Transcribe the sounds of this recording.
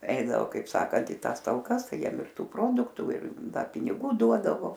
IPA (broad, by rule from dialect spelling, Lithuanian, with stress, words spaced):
ˈɛɪdɐʋoː kɐɪp ˈsɑːkɐnt ɪ ˈtɑːs tɐlˠˈkɐs ˈtɐɪ ˈjiɛm ɪr ˈtuː ˈproːdʊktʊ ɪr ˈdɐ pʲɪnʲɪˈɡuː ˈduɔdɐʋoː